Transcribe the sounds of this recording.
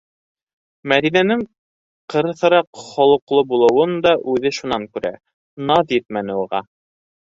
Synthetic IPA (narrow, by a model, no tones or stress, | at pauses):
mæd̪inænɘŋ | qɤ̆ɾɤ̆θɤ̆ɾɑqχolˠɤ̆qlˠɤbulˠɤ̆wɤnd̪ɑʔʉðɘʃunɑŋkʉɾæ̰ | nɑðjɘt̪̚mænɘuʁɑ̰